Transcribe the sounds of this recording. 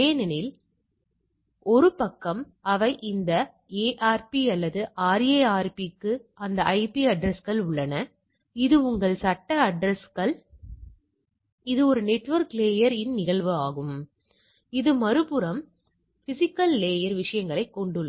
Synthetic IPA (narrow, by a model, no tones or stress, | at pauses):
eːnɛnɪl | ɔɾɯpɐkːɐm | ɐʋɐɪʔɪnd̪ɐ | eːʔaːɾpiɐlːɐðɯʔaːɾeaːɾpikːɯɐnd̪ɐʔɐɪpiɐɖɾɛskɐɭʊɭːɐnɐ | ɪðɯʊŋɡɐɭsɐʈːɐɐɖɾɛskɐɭ | ɪðɯɔɾɯnɛʈːʋɐɾkleːjɐɾɪnnɪɣɐɭʋɯaːɣɯm | ɪðɯmɐɾɯpɯɾɐm | fɪsɪkːɐlːeːjɐɾʋɪʂɐjɐŋɡɐɭɐɪkːɔɳɖɯɭːɐ